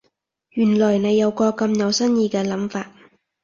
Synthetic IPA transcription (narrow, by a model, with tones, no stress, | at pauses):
jyː˨˩nlɔː˨˩jne˨˧jːɐ˨˧wkɔː˧kɐ˧mjɐ˨˧wsɐ˥njiː˧kɛː˧lɐ˨˥mfaː˧t̚